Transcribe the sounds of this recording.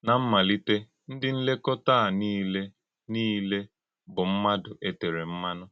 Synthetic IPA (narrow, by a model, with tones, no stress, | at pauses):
na˨m̩˦ma˨li˦te˦ | n̩˦dɪ˦n̩˦le˦kɔ˦ta˦a˨ni˦le˦ | niː˦le˦ | bʊ˨m̩˦ma˦dʊ˨ʔe˦te˨ɾe˨m̩˦ma˦nʊ˦